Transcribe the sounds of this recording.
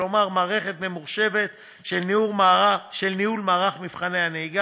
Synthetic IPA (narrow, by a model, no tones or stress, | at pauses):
o̞maʁmaːʁe̞χe̞t̪me̞muʁʃe̞ve̞t̪ | ʃelniuʁmaaʃelniulmaːʁaχmifχane̞jhaneiɡa